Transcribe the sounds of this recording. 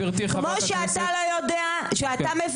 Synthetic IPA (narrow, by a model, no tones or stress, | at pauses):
iʁt̪imoʃeat̪alojodea | ʃeatamev